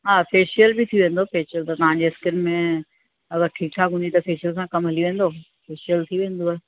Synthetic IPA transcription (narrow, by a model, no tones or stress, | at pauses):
ɦaːfeːʃijəlbɪt̪ʰioʋẽːnd̪ofeːʃəlt̪ɐt̪ɐʋ̤ãɲd͡ʑeɐskɪnmẽ | ɐɡəɾʈʰiːk̚ʈʰaːkɦũnd̪it̪ɐfeːʃijəlsãkɐmɦɐliʋẽːn̆d̪o | feːʃiəlt̪ʰiʋẽːn̆d̪oaːe